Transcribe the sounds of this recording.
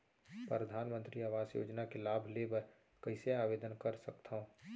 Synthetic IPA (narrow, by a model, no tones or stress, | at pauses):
pɾɾəd̪ʱaːnmə̃nt̪ɾiaːʋaːsjo̰ːd͡ʒnakelaːbʱlebə | kɐɪseaːʋeːd̪ənkəɾsəkt̪ʰaɦõ